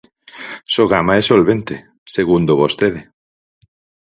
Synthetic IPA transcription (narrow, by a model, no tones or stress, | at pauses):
soɣamaesolβent̪e | seɣund̪oβost̪eðe